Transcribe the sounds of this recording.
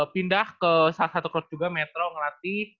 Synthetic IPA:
pindahkəsalahsat̪ukɾɔt̪̚d͡ʒuɡamɛt̪ɾoŋəlat̪i

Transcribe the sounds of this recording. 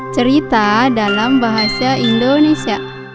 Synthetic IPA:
t͡ʃəɾit̪adalambaɦasaindonesia

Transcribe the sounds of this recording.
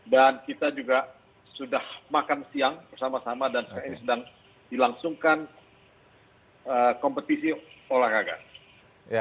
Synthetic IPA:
dankit̪ad͡ʒuɡa | sudahmakansiaŋpərsamasamadansə̥kaɾinisədaŋ | dilaŋsuŋkan | əkɔmpət̪isiolahɾaɡa̰

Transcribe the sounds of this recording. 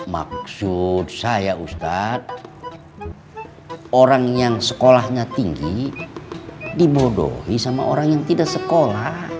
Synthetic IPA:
ma̰ksud̪̚sajaust̪at̪̚ | oɾaŋjaŋsə̥kolahɲat̪iŋɡi | dibodo̰hisama̰ʔo̰ɾaŋjaŋt̪idaksəkolah

